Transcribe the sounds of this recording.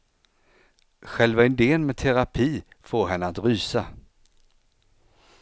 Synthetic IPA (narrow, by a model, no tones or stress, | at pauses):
ɧɛlvaɪnd̪eːənmɛt̪ʰɛɾapʰiː | foːɾɦɛnːəat̪ɾyːsa